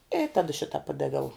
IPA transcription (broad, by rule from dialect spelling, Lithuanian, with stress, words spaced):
ɪ ˈtɑːdɐ ˈʃʲɪtɐ ˈpɑːdɐʋʲɛʊ